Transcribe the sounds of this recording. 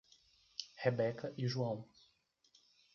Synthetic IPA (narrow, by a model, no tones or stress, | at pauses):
hebɛkɐʔiʒuɐ̃w̃